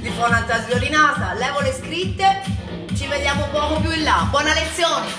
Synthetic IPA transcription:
d̪ipɔnat̪ːaziolinaːt̪alɛːvoleskɾit̪ːe | t͡ʃived̪jaːmobwɔːmopjuilːabwɔːnalet̪sːjoːne

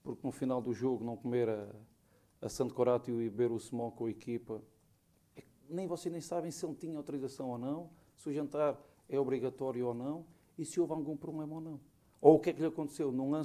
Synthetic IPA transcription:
puɾknufinalˠd̪uʒoɣunɐ̃w̃kumeɾɐː | sɐ̃nt̪koɾat̪juiβeɾusmõkõɐikipɐ | ɛk | nẽj̃vɔseʒnẽj̃saβɐ̃j̃selˠt̪iɲɐawt̪uɾizɐsɐ̃w̃onɐ̃w̃ | suʒẽnt̪aɾ | ɛɔβɾiɣɐt̪ɔɾjuonɐ̃w̃ | isɨovalˠɣũpɾuβlˠemɐonɐ̃w̃ | oukɛkʎɐkõnt̪sewnũɐ̃

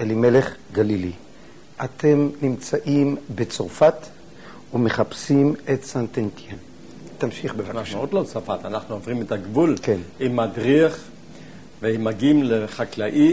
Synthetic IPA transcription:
ʔelimele̞χɡalili | atʰe̞mnimt͡saʔimbet͡soʁfat̪ | ume̞χapsimetsant̪ent̪jen | t̪amʃiχbevanaχnuod̪lot͡safat̪anaχnuovʁimet̪aɡvulkenimadʁiaχ | veimaɡimleχaklaʔi

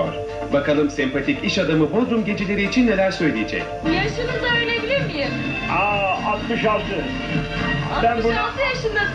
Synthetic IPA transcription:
ɾ | bakalˠɯmsɛmpʰat̪ʰiciʃad̪amɯbo̞zɾumɟe̞d͡ʒilʲe̞ɾiːt͡ʃʰinːe̞lʲæɾsø̞jlʲijed͡ʒɛ̰c | jaʃɯnɯd̪aøjlʲebilʲiɾmijim | aat̪mɯʃalˠt̪ʰɯ | bænbunalˠt̪ʰɯjaʃɯnd̪a

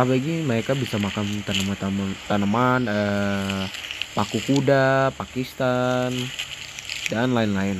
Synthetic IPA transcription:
apaɡiməɾekabisamakant̪anəmat̪amant̪anəmanə | pakukudapakist̪an | d͡ʒanlaɪnlaɪn

